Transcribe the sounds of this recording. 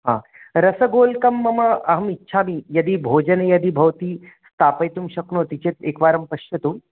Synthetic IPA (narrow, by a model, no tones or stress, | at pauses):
ɦã̰ | ɾɐsəɡoːlkɐmːɐməɐɦɐmitːɕʰamiːjɐd̪iːbʱoːd͡ʒənjɐd̪iːbʱɐʋt̪iː | st̪ʰaːpəjt̪umɕɐknot̪it͡ɕet̪eːkʋaːɾɐmpɐɕjɐt̪u